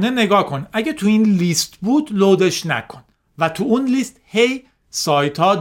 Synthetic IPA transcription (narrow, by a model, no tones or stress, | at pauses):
neneɡɒːkʰo̞nʔæɟet̪ʰuiːnlist̪buːd̪loːd̪eʃnæ̰kʰon | væt̪ʰuunlist̪he̞j | sɒːjt̪ʰɒːd̪